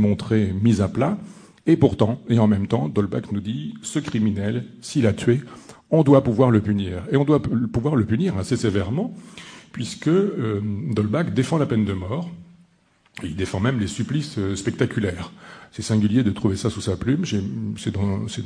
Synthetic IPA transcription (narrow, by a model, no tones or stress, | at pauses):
mɔ̃t̪χemizapla | epuʁt̪ɑ̃eɑ̃mɛmt̪ɑ̃d̪ɔlba̰knud̪isəkχiminɛlsilat̪ɥe | ɔ̃d̪wapuvwaʁləpyniːʁeɔ̃d̪wapuvwaʁləpyniʁasesevɛʁmɑ̃pɥiskə | d̪ɔlbakd̪efɑ̃lapɛnd̪əmɔːʁ | eild̪efɑ̃mɛmlesyplisøspɛk̚t̪akʲylɛːʁsɛsɛ̃ɡʲyljed̪ət̪χuvesasusaplymʃɛsɛd̪ɑ̃sɛ